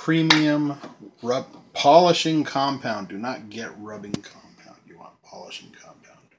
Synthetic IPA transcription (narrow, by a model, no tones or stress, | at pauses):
pʰɹ̥ĩmiɨ̃mɹʌbpʰɑlˠəʃɪ̃ŋkʰɑ̃mpʰãʊ̃ndɨnət̚ɡ̥ɛʔ̚ɹʌbɪ̃ŋkʰɑ̃mpʰãʊ̃ndjɨwɑ̰̃npʰɑ̰lˠəʃɪ̃ŋkʰɑ̃mpʰãʊ̃nd̥